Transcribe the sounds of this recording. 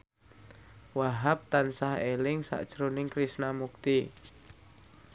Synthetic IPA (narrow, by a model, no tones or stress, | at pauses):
waɦap̚t̪ansahelɪŋsa̰ʔd̥ʒ̥ɾonɪŋkɾisnamuk̚t̪i